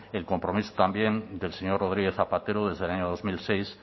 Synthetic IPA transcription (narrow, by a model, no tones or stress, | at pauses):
elko̞mpɾo̞miso̥t̪ambje̞nd̪e̞lseɲo̞rroð̞ɾiɣe̞θapat̪e̞ɾoðe̞zðelaɲoðo̞zmilse̞js